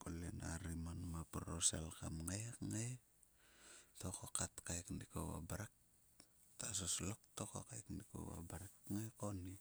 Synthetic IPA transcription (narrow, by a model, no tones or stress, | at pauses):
kolena̰ɾimanmapɾosḛlkamŋajakŋaj | tokokatkajkndiko̰wa̰baɾek̚ | tasoslok̚tokokajkndiko̰wa̰baɾekŋajkoni